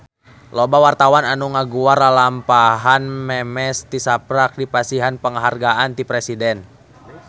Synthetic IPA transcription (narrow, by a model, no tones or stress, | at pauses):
lɔbawart̪awananuŋaɡuaralampaɦanmɛmɛst̪isapɾak̚dipasiɦanpəŋəɦarɡaʔant̪ipɾɛsidɛn